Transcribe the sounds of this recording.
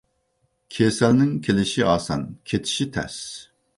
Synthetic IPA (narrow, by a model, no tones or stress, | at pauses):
kʲʰesɛlnɪŋkʲʰelɪʃiɑːsɑ̰nkʲʰet̪ʰi̥ʃit̪ʰɛ̰s